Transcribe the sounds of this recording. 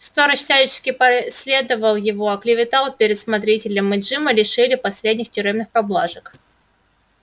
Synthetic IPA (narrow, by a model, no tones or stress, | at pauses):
st̪oɾəɕsʲælʲɪt͡ɕɪ̥skʲɪpɐsʲlʲe̞d̪əvəlˠjɪvo̞ɐklʲɪvʲɪt̪alˠpʲɪɾʲɪt̪smɐt̪ɾʲitʲɪlʲəmɨdʐɨməlʲɪʂɨlʲɪpɐsʲlʲed̪ʲnʲɪxtʲʊɾʲemnɨxpɐblˠaʐək